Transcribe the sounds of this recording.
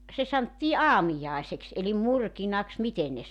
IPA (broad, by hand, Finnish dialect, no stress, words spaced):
se sɑntːiː ɑːmijɑˑeseks elim murkinɑks miten ne